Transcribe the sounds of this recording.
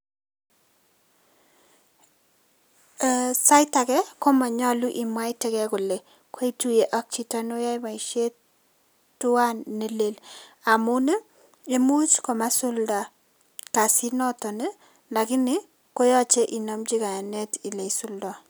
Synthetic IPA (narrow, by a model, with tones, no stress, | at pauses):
sa˦ɪ˦ta˨kɛ˦ko˦ma˨ɲɔ˦lu˦ʔi˨mwa˦ɪ˦tɛ˦kɛ˦kʊ˨le˨ | kwi˦tu˦je˨ʔɔ˦k̚t͡ʃi˦ta˦no˦ja˦i˦ma˨i˨ʃe˦ | tʊ˦wa˦nːe˦le˦la˨mʊ˦ne˦ | e˦mu˦t͡ʃkɔ˨ma˦sʊ˦lda˨ | ka˨si˦nɔ˦tɔ˨ne˦ | la˨kɪ˦nɪ˦ | ko˦jɔ˦t͡ʃe˦ʔi˨no˨md͡ʒi˦ka˨ja˨nɛ˦ti˨le˨i˨sʊ˦ldɔ˨